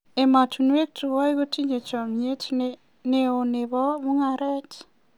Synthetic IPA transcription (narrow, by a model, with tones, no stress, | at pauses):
e˨ma˨tʰu˨n˦e˦k̚tʰu˨ɔ˦i˦ɣo˦tʰi˦ɲe˨t͡ʃa˨mie˦tn | ne˨o˨ne˨βɔ˦mu˦ŋaɾɛ˦t͡ʃ